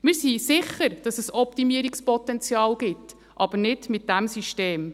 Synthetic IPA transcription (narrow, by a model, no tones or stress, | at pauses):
mɪːɾsisɪχəɾd̥ɑsɛsɔptimiːəɾikspɔtɛnt͡sjɑːlɡ̥ɪtː | ʔɑb̥əɾnɪdmɪt̚d̥æmsiʃteːm